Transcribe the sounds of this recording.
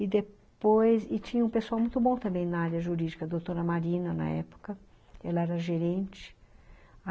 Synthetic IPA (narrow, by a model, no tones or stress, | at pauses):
ɪd̪e | pojzɪt͡ʃĩɲɐũpesuawmũj̃t̪ʊbõt̪ɐ̃mbẽj̃nɐaɾjɐʒuɾid͡ʒikɐd̪ot̪oɾɐmaɾĩnɐnɐ̰ɛ̰pʊ̥kɐ | ɛlɐɛɾɐʒeɾẽnt͡ʃɪ̥